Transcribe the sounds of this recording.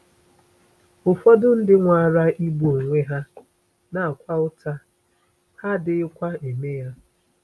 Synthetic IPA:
ʊ˨fɔ˦dʊ˦n̩˦dɪ˦ŋʷa˨a˨ɾa˦ʔi˦bu˨o˨ŋʷe˦ɦa˦ | na˨a˨kʷa˦ʊ˦ta˦ | ha˦dɪ˨˦ɪ˦kʷa˦e˨me˦ja˦

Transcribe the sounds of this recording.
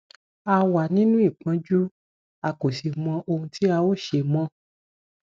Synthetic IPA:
a˧wa˨nĩ˦nũ˦i˦˨k͡pã˨˦d͡ʒu˦ | a˧ko˨si˨mɔ̃˧ʔo˧hũ˧tʰi˦a˧wo˦˨ʃe˧mɔ̃˧

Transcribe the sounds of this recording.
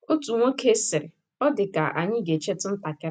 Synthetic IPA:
o˦tu˨ŋʷo˦kʰe˦sɪ˨ɾɪ˨ | ɔ˦dɪ˨ka˨ʔa̰˨ɲɪ˦ɡe˨t͡ʃe˦tɪ˦n̩˦ta˨kɪ˦

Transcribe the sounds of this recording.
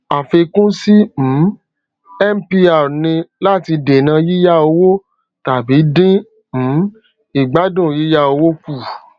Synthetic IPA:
a˨fe˧kũ˦si˦m̩˨˦ | ɛ˦m̩˦pi˧a˨nĩ˧la˦˨ti˧de˨nã˧ji˦ja˦o˧wo˦ | ta˨bi˨˦dĩ˦ | m̩˨˦ | i˨ɡ͡ba˨˦dũ˦˨ji˦ja˦o˧wo˦ku˦˨

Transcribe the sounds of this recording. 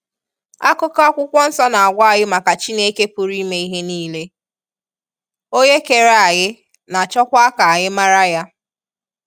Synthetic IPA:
a̰˦kʊ˦ka˦ɔ˦kʷʊ˦kʷɔ˦n̩˦sɔ˦na˨a˨ɡʷa˦a˨ɣɪ˦ma˨ka˨t͡ʃi˦ne˦ke˦pu˨ɾi˦me˦i˦ɦe˦niː˦le˦ | o˦ɲe˦ke˨ɾa˨a˨ɣɪ˦ | na˨t͡ʃɔ˦kʷa˦a˦ka˨a˨ɲɪ˦ma˦ɾa˦ja˦

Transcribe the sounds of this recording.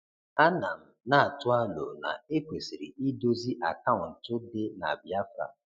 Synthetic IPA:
a˦na˨m̩˨na˦a˨tʊ˦a˦lo̰˨na̰˨e˦kʷe˨si˨ɾi˨ʔi˦do˦zi˦ʔa˨ka˦˨wʊ˨n̩˨tʊ˦dɪ˦na̰˨bja˦fɾa̰˨

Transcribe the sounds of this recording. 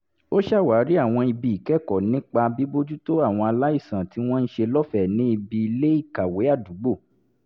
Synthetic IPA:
o˦ʃa˦˨wa˨˦ɾi˦a˦˨w̃ɔ̃˧i˧bi˧i˨kɛ˦˨kɔ˨nĩ˦k͡pa˧bi˨˦bo˦d͡ʒu˦to˦a˦˨w̃ɔ̃˧a˧la˦i˦˨sã˨ti˨˦w̃ɔ̃˦n̩˦ʃe˧lɔ˦fɛ˦˨nĩ˨˦i˧bi˧i˧le˦i˦˨ka˨we˨˦a˦˨du˨˦ɡ͡bo˦˨

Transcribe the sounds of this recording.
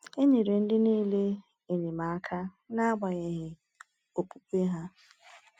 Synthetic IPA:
e˦ɲe˨ɾe˨n̩˦dɪ˦niː˦le˦ | e˨ɲe˨ma˨a˦kʰa˦ | na˦a˦ɡ͡ba˨ɣe˨ɦɪ˨ | o˨pu˦kʷe˦ɦa˦

